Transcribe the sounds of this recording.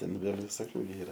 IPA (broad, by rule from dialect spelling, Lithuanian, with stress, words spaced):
ˈtʲɛn ˈʋʲeːlʲ ʋʲɪˈsoːkʲʊ ɡʲɪ ˈiːrɐ